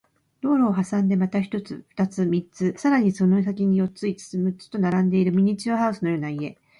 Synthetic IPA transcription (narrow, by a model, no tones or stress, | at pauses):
ɾo̞ːɾo̞ːɦasãnd̪e̞mat̪açi̥t̪o̞t͡sɨɸɯ̥t̪at͡sɨmʲit͡sɨsaɾaɲ̟iso̞no̞s̬akʲiɲ̟ijo̞t͡sɨit͡sɨ̥sɨmɯt͡sɨ̥t̪o̞naɾãnd̪e̞iɾɯ̟mʲiɲ̟it͡ɕioɦaɯ̟sɨno̞jo̞ːnaie̞